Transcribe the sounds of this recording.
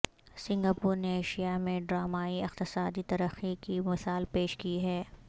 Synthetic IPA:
sɪ̃ŋɡaːpuːɾneeːʃijamẽɖɾaːmaːiɪqt̪ɪsaːd̪it̪ɐɾəxikimɪsaːlpeːʃkiɦɛː

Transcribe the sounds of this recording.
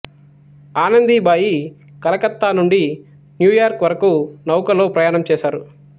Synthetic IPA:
aːnɐnd̪ibaːji | kɐlɐkɐt̪ːaːnuɳɖi | njuːjaːɾkʋɐɾɐkunɐwkɐloːpɾɐjaːɳɐmt͡ʃɛːʃaːɾu

